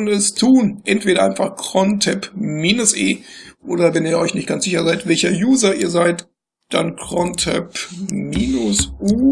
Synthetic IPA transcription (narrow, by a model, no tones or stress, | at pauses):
nɛstʰuːnʔɛntv̥eːɾɐʔaɪnfaχkʁ̥ɔntʰɛpmiːnʊsʔḛːʔoːdɐvɛniːɐɔʏçnɪçt̚ɡ̥ant͡sz̥ɪçɐzaɪtv̥ɛlçɐjuːzɐiːɐzaɪt | d̥a̰nkʁ̥ɔntʰɛ̰pmiːnʊsʔuː